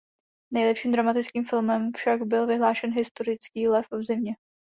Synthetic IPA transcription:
nɛjlɛpʃiːmd̪ɾamat̪ɪt͡skiːmfɪlmɛmfʃaɡbɪlvɪɦlaːʃɛnɦɪst̪o̞ɾɪt͡skiːlɛfvzɪmɲɛ

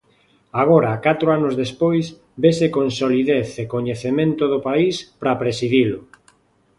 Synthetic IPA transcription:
aɣ̞oɾakat̪ɾoanʊzðespojs | besekonsoliðeθekoɲeθemẽnt̪ʊðopaispɾapɾesiðilʊ

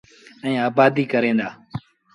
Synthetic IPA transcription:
ɛ̃ːaːbaːd̪iːkəɾẽːnd̪aː

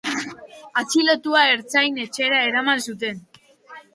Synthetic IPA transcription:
at͡silot̪uae̞ɾt͡sajne̞t͡ʃe̞ɾae̞ɾamansut̪̬e̞n

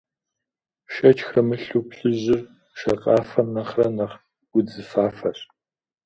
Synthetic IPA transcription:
ʃɐt͡ʃʼxrɐmɨɬupɬɨʑɪr | ʃɐqʼɑːfɐmnɐχrɐnɐχ | ɡʊd͡zɨfaːfɐɕ

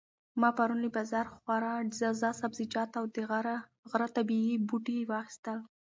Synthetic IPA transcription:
mɑpaɾunlibazaɾxwaɾɑɖzazɑsabzid͡ʒɑt̪awd̪ə | ɣɾat̪abiibuʈiwɑxi̥st̪əl

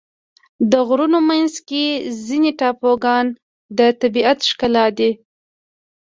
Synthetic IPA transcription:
d̪əɣɾunomanzkezineʈɑpoɡɑn | d̪ət̪abiat̪ʃkalɑd̪i

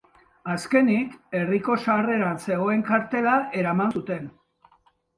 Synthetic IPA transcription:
aske̞nike̞riko̞sare̞ɾanse̞ɣ̞o̞e̞ŋkaɾt̪e̞lae̞ɾamansut̪e̞n

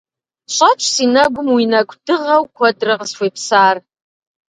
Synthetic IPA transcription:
ʃʷʰat͡ʃʷʰsinaɡʷʊmwinakʷʰʼd̥ɨʁawkʷʰadrɨʁəsfʷepʰsaːr

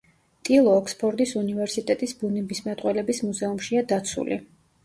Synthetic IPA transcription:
t̪ʼilˠɔːkʰspʰɔɾd̪isunivɛɾsit̪ʼɛt̪ʼisbunɛbismat̪ʼqʼwɛlɛbismuzɛumʃiad̪at̪sʰṵlḭ

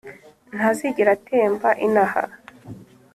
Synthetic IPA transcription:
n̥haziɟiɾateːɱvaʔinaha̰

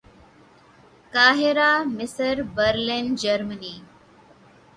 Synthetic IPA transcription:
kaːɦɪɾaːmɪsəɾbəɾlend͡ʒəɾməniː

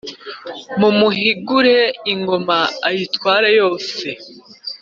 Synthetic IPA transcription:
mumuɦiɡuɾeiŋɡo̞maːjitwaːɾajo̞ːse̞

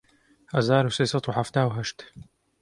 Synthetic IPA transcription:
hɐzaːɾuseːsɑt̪ˤwħaft̪aːwɦɐʃt̪

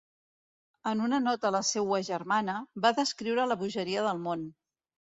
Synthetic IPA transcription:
ənunənɔt̪ələsewəʒərmanəbaðəskɾiwɾələβuʒəɾiəðəlˠmon

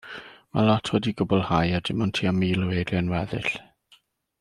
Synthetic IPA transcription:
ma̰lˠɔtʰwɛdiɡʊbɔlˠhajadɪmɔntʰiːamiːlˠɔweɾjanwɛðɪɬ

